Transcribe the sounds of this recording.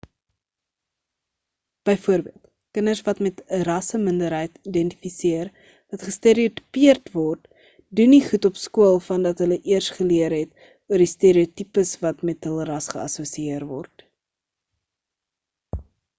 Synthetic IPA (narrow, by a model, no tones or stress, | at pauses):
b̥əjfuəɾbiəlˠt | kənərsvɐtmɛtərɐsəməndəɾɦəjtidɛnti̥fisiər | vɐtχəsteːɾioty̥piərtvɔrt | duniχutɔpskuəlˠfɐndɐtɦələʔiərstχəliəɾɦɛt | uərdisteːɾiotipəsvɐtmɛtɦəlˠrɐsχəɐ̰suəsiiərvɔ̰rt